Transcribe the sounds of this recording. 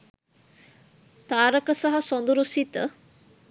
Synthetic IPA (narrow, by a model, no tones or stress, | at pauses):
t̪aːɾəkəsaɦasond̪uɾusit̪ə